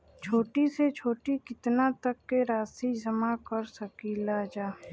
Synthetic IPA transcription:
t͡ʃʰoːʈiset͡ʃʰoːʈikɪt̪nat̪ɐkːeɾaːsid͡ʒɐmakɐɾsɐkilaːd͡ʒaː

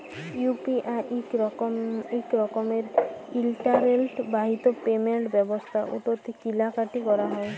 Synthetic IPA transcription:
jupiʔaʔik | ikɾɔkomeɾilʈaɾelʈbaɦit̪opemeɳʈbɛbost̪ʰaʔṵt̪oɾt̪ʰikilakaʈikɔɾaɦɔe

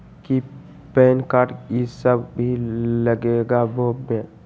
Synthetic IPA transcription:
ki | pɛnkaɾʈisəbbʱiləɡeɡabobe

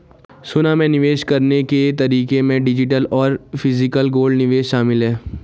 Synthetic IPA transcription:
sʊnamẽnɪʋeːʃkɐɾneket̪ɐɾiːkemẽɖɪd͡ʒɪʈ̬əlɔːɾfʰɪzɪkəlɡoːlɖnɪʋeːʃʃaːmɪlɦɛː

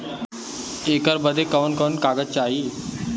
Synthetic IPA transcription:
ekəɾbəd̪ʱekəʋənkəunkaɡətt͡ɕaɦiː

